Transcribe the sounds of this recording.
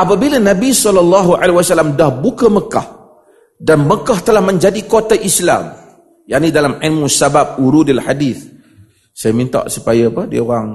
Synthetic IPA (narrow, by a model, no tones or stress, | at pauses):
ʔapabilənãbisɔlːɔlːɑɦuʔa̰lewasalːamdahbukəməka̰h | danməkaht̪əlahmə̃ɲd͡ʒadikot̪aʔisla̰m | jaʔnĩdalamʕilmusabap̚uɾudalħadiθ | sajamĩnt̪a̰ʔsupajəpəhdḭəoɣaŋ